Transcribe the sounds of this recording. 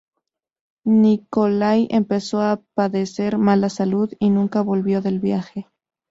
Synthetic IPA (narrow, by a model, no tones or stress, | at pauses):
nikolajempe̞so̞apaðese̞ɾmalasaluðinũŋkaβo̞lβjo̞ðe̞lβjaxe